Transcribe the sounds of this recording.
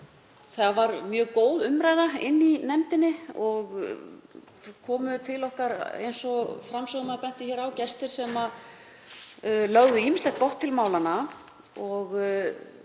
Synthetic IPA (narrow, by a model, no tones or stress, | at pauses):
θaavaɾmjœːɣkoːwðʏmɾaːjðaɪ̰nːinɛmt̪ɪnːɪɔɣ | kʰɔːmʏt̪ʰɪlɔhkaɾḛjnsɔfɾamsœɣmaðpɛn̥t̪ɪçɛːɾawcɛst̪ɪɾ̥sɛma | lœɣðʏimɪslaht̪̚kɔht̪ʰːɪlmaːwlana | ɔɣ